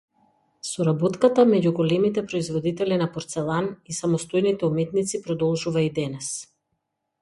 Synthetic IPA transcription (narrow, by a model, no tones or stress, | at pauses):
sɔɾabɔt̪kat̪amɛɟuɡɔlɛmit̪ɛpɾɔizvɔd̪it̪ɛlinapɔɾt̪sɛlˠanisamɔst̪ojnit̪ɛumɛt̪nit̪sipɾɔd̪ɔlˠʒuvaid̪ɛnɛs